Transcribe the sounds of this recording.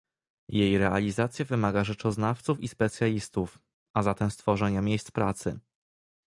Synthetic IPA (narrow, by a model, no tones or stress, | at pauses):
jejɾɛalʲizat̪sʲjavɘmaɡaʐɛt͡ʂɔznaft̪sufispɛt̪sʲjalʲist̪uf | ʔazat̪ɛmst̪fɔʐɛɲamʲjejst̪spɾat̪sɘ̰